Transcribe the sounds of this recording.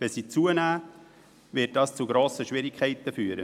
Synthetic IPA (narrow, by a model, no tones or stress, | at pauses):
ʋɛsiːt͡suənæː | vɪt̚d̥ɑːst͡suɡɾoːsəʃʋɪɾɪkʰɛɪt̪əfyːəɾə̰